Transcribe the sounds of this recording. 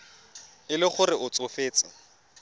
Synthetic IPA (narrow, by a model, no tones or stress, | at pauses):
ɪlɪχʊrɪʔʊt͡sʼʊfeːt͡sʼɪ